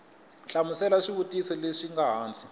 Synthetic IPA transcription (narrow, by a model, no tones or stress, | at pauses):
ɬamusɛlaʂiβutʼisɔleʂiŋɡaɦaːnt͡sʰʼi